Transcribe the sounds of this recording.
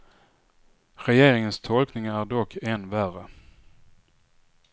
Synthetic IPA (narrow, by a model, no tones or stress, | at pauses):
ɾɛjeːɾɪŋənst̪ʰɔlknɪŋaæɖɔkʰːɛnværə